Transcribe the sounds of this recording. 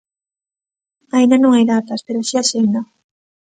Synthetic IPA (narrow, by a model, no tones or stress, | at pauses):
aĩnd̪anõŋajðat̪aspeɾoaʃiaʃend̪a